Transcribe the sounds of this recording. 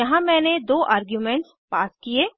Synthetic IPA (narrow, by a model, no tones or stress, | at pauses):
jɐɦãmɛ̃ːned̪oːʔaːɾɡjuːmɛ̃ɳʈs | paːskieː